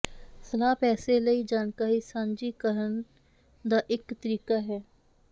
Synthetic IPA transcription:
sɐlaːpɛːselɐid͡ʒaːnkaːɾisãːnd͡ʒikəɾən | d̪aʔɪkt̪əɾiːkaɦɛː

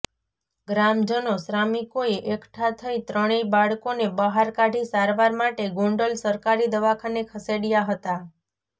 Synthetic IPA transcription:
ɡɾamd͡ʒənosɾamikoeʔekʈʰat̪ʰəit̪ɾəɽ̃ebaɭkonebəɦaɾkaɽisaɾʋaɾmaʈeɡoɳɖəlsəɾkaɾid̪əʋakʰanekʰəseɽijaɦət̪a

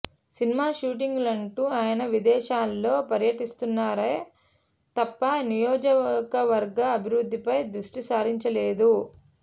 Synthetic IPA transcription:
sinimaːʃuːʈ̬iŋɡlɐɳʈuːaːjɐnɐʋid̪ɛːʃaːlːo̞ːpɐɾjɐʈist̪unːaːɾɐ | t̪ɐpːɐnijɔːd͡ʒɐkɐʋɐɾɡɐːbʱiɾud̪ːipɐjd̪ɾuʂʈisaːɾiɲt͡ʃɐleːd̪u

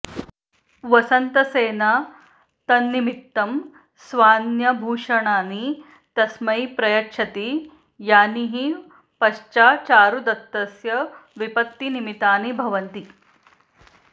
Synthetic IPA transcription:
ʋɐsɐnt̪ɐseːna | t̪ɐnːimit̪ːɐm | sʋaːnjɐbʱuːʂɐɳaːni | t̪ɐsmɐjpɾɐjɐkʂɐt̪i | jaːniɦi | pɐʃt͡ʃaːt͡ʃaːɾud̪ɐt̪ːɐsjɐʋipɐt̪ːinimit̪aːnibʱɐʋɐnt̪i

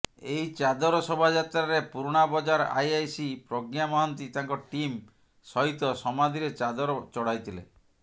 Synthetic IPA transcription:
eɦit͡ʃad̪ɔɾɔsɔbʱad͡ʒat̪ɾaɾepuɾɽ̃abɔd͡ʒaɾa̰jajsipɾɔɡjamɔɦɔnt̪it̪aŋkɔʈim | sɔɦit̪ɔsɔmad̪ʱiɾet͡ʃad̪ɔɾɔt͡ʃɔɽajt̪ʰilḛ

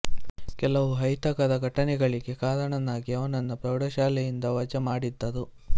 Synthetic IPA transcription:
kɛlɐʋuɦɐjt̪ɐkɐd̪ɐɡʱɐʈɐnɛɡɐɭiɡe̞kaːɾɐɳɐnaːɡiɐʋɐnɐnːɐpɾɐwɽɐʃaːlɛjind̪ɐʋɐd͡ʒɐmaːɽid̪ːɐd̪u

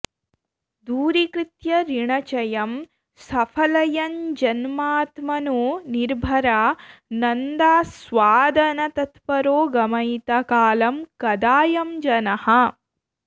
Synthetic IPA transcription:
d̪uːɾikɾit̪jɐɾiɳɐt͡ʃɐjɐm | sɐpʰɐlɐjɐnd͡ʒɐnmaːt̪mɐnoːniɾbʱɐɾaːnɐnd̪aːsʋaːd̪ʱɐnɐt̪ɐt̪pɐɾoːɡɐmɐjt̪ɐkaːlɐmkɐd̪aːjɐmd͡ʒɐnɐhɐ

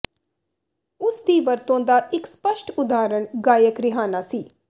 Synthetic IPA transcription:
ʊsd̪iːʋəɾt̪õːd̪aːʔɪkspəʃʈʊd̪aːɾəɳɡaːjəkɾɪɦaːnaːsiː

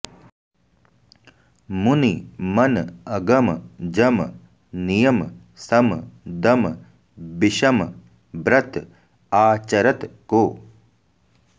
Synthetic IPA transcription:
munimɐnɐɡɐmd͡ʒɐm | nijɐm | sɐmd̪ɐm | biʃɐm | bɾɐt̪ | aːt͡ʃɐɾɐt̪koː

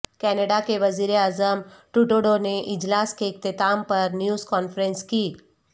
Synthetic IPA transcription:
kɛnəɖakeʋəziɾeaːzəmʈuʈoɽoneʔɪd͡ʒlaskek̚t̪et̪ampəɾnjuːzkɔːnfɾẽnski

